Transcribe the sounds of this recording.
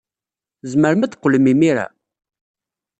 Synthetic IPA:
zməɾmæd̪qːlmimiɾa̰

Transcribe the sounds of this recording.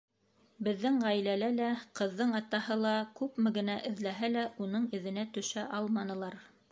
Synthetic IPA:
bɘ̆ðːɘŋʁæjlælælæqɤ̆ðːɤɴɑt̪ɑhɤlˠɑkʉpmɘɡɘ̆næʔɘ̆ðlæɦælæʔunɤɴɘ̆ðɘ̆næt̪ɵ̆ʃæʔɑlˠmɑnɤ̆lˠɑɾ

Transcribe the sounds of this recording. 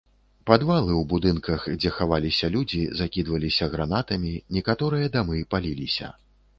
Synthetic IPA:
pad̪valˠɨwbud̪ɨnkɐxd͡zʲɛxavalʲisʲɐlʲud͡zʲizakʲid̪vɐlʲisʲɐɣɾanat̪ɐmʲinʲɛkat̪ɔɾɨjɐd̪amɨpalʲilʲisʲɐ̰

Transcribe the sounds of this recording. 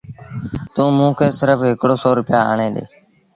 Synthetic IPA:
t̪ũːmũːkʰeːsɪɾəfɦɪkɽoːsɔːɾʊpɪjaːa̰ːɳẽːd̪ḛː

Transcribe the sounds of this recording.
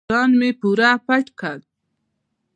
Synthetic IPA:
ɑːnmepuɾapaʈkʰat̪̚

